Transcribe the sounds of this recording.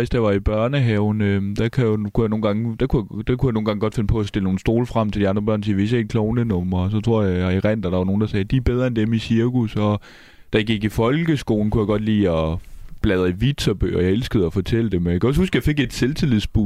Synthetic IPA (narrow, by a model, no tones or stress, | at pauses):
esd̥ɑʋɑ̈ib̥ɶɐnəɦɛʊn̩ød̥ækʰæjokʰujɑno̝ːnɡɑ̈ŋəd̥ækʰujd̥ækʰujɑno̝ːn̩ɡɑ̈ŋəɡ̥ɒ̽d̥fe̝nəpʰɒ̽æsd̥e̝ləno̝ːn̩sd̥o̝ːlfʁɑm̰t͡sʰeld̥iɑ̈nd̥ʁɐb̥ɶɐ̰nsiːʋe̝sjæe̥kʰlɔʊnənɔ̽mɐs̬ɒ̽t͡sʰʁo̝ɐ̰jɑiʁɛn̰d̥æd̥ɑ̈ʋɑno̝ːn̩d̥ɑ̈sɛːd̥ib̥eðˠʁɐend̥emisiɐɡ̥usɒ̽ | d̥æɡ̥iɡ̥ifɒ̽lɡ̥əsɡ̥o̝̰ːln̩kʰujɑ̈ɡ̥ɒ̽d̥lḭːɒb̥lɛð̞ˠiʋid̥t͡sʰɒb̥ø̰ːɒjɑ̈elsɡ̥əð̞̩ˠæfɒ̽t͡sʰel̰əd̥emækʰæɒ̽shusɡ̥əjɑ̈fe̝ɡ̥e̝d̥selt͡sʰilˠið̩ˠsb̥u